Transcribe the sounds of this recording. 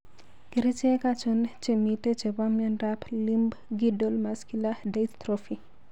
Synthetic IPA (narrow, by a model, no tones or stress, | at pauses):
kiɾit͡ʃekat͡ʃont͡ʃemitet͡ʃebamjɛnɾaplimbɡidolmaskiladejt̪t̪ɾofi